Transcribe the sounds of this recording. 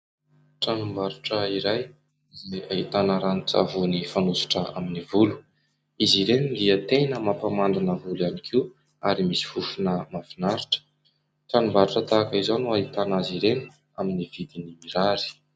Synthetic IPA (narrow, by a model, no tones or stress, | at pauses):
ʈ͡ʂanumbaɾuʈ͡ʂəiɾaj | izejait̪anəɾanit͡sa̰vunifanusu̥ʈ͡ʂəaminivulu̥ | iziɾenind̪iət̪enəmapamand̪inəvuljanikʰiw | aɾimisi̥fufunəmavinaɾiʈ͡ʂə̥ | ʈ͡ʂanumbaɾʈ͡ʂət̪akəizonuaɦit̪anaziɾeni̥ | aminivid̪inimiɾaɾi̥